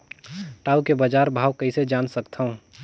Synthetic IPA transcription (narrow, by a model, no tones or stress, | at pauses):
ʈaːukebəd͡ʒaːɾbʱaːwkəised͡ʒaːnsəkt̪ʰaũ